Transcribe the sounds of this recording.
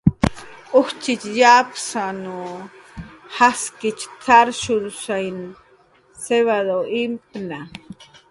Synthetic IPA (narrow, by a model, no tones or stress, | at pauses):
ʊht͡ʃɪt͡ʃjapsanu | haskɪt͡ʃt͡saɾʃʊɾsajn | seβad̪oimpna